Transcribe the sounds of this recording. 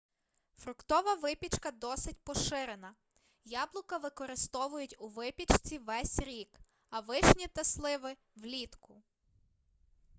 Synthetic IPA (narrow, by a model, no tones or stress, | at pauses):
fɾʊkt̪ɔʋɐʋɪpʲit͡ʃkɐd̪ɔsɪt̚ʲpɔʃɪɾenɐ | jɑblˠʊkɐʋɪkɔɾɪst̪ɔʋʊjʊtʲuʋɪpʲit͡ʃt͡sʲiʋɛsʲɾʲik | ɐʋɪʃnʲit̪ɐslˠɪʋɪ | ʋlʲit̪kʊ